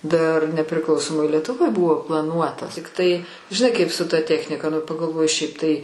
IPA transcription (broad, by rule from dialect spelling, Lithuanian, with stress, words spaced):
dɐr nʲɛpʲrʲɪˈklˠɐʊsoːmoːj lʲiɛtʊˈʋoːj ˈbʊʋoː plˠɐˈnuɔtɐs tʲɪkˈtɐɪ ʒʲɪˈnɐɪ kɐɪp sʊ tɐ ˈtʲæːxʲnʲɪkɐ nʊ pɐɡɐlˠˈʋoːjɪ ˈʃʲɛɪp tɐɪ